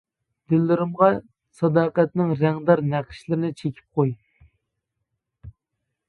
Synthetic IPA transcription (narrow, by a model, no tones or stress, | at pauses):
d̪̥ɪlːɪɾɪmʁɑ | sɑd̪ɑːqɛt̪nɨŋɾæŋd̪ɑɾnæqʰɪ̥ʃlɪɾɪnɪt͡ʃʰekʲʰi̥p̚qʰoj